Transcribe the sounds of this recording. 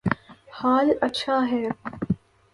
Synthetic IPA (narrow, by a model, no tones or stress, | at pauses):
haːlɐtːʃʰaːɦɛː